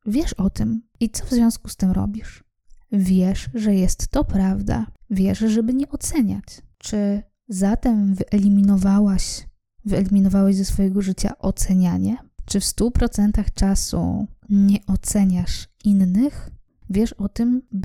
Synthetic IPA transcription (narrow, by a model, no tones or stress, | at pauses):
vʲjɛʂɔt̪ɘmit̪sɔvzvʲjɔ̃w̃skust̪ɘmɾɔ̰bʲiʂ | vʲjɛʂʐɛjɛst̪ːɔpɾavd̪a̰vʲjɛʂʐɛbɘɲɛʔɔt̪sɛɲa̰t͡ɕt͡ʂɘ | zat̪ɛmvɘʔɛlʲimʲinɔvawaɕ | vɘɛlʲimʲinɔvawaʑzɛsfɔjɛɡɔʐɘt͡ɕa̰ʔɔt̪sɛɲaɲɛt͡ʂɘfst̪upɾɔt̪sɛnt̪axt͡ʂasṵɲɛʔɔt̪sɛɲaʂinːɘx | vʲjɛʂɔt̪ɘmb